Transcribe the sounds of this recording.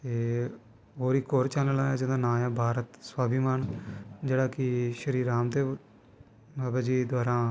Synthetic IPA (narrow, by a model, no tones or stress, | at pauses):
t̪eː | ɦoːɾiːkoːɾt͡ʃaːnəlanãːd͡ʒɪd̪ãːnaːjãːbʱaːɾət̪swaːbimaːnd͡ʒeːɽaːkɪʃəɾiːɾaːmd̪eː | baːbaːd͡ʒiːd̪aːɾãː